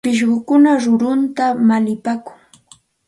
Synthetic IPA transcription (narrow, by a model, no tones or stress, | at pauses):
pɪʃ̬ɢʊkʊnaɾʊɾʊnt̪amalɪpakʊŋ